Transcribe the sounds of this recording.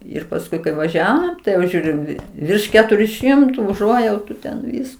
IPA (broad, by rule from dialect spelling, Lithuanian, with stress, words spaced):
ɪr pɐsˈkʊɪ kɐɪ ʋɐˈʒʲæːʋoːm tɐɪ jɛʊ ˈʒʲuːrʲɪm ʋʲɪrʃ ˈkʲæːtʊrʲʊ ˈʃʲɪmtʊ ʊˈʒuɔjɛʊtʊ tʲɛn ˈʋʲɪs